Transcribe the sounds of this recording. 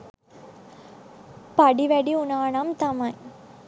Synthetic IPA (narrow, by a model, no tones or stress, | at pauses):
pɐɽiʋɐɽiʊnaːɳɐmt̪ɐmɐj